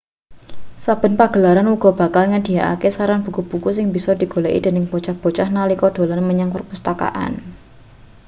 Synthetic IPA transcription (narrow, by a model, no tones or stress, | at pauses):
sab̥ə̤npaɡ̥ə̤laɾanuɡ̥ɔ̤b̥a̤kalŋad̥i̤aʔa̰kesaɾanb̥ṳkub̥ukusɪŋbisɔd̪̥i̤ɡ̥o̤laʔḭd̪̥e̤nɪŋb̥ot͡ʃahb̥o̤t͡ʃahnalikɔɖ̥o̤lanməɲaŋpərpust̪aka̰ʔa̰n